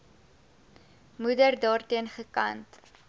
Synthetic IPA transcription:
mudərdɑːrtiənχəkɐ̰nt

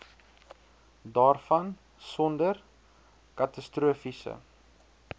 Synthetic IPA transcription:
dɑːrfɐn | sɔndər | kɐtɐstruəfisə̰

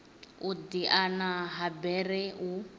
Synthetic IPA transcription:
ud̪iʔanaɦabɛɾɛu

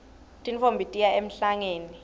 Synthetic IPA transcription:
tʼinfombʱitʼijaem̩ɬaŋeːni

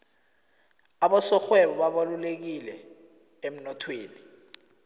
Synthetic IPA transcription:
aɓɔsɔxwɛɓɔɓaɓalulek̬ilɛ | em̩nɔtʰweːni

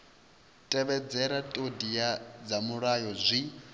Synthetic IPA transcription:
tʼɛβɛd͡zɛɾatʼodijad͡zamuɺajɔzʷi

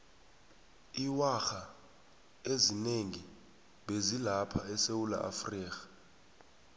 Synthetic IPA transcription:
iwaxa | ezineŋi | ɓezilapʰaɛsewula̰ʔa̰friːkḁ

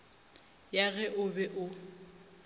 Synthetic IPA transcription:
jaɣɛʔʊbɛʔʊ

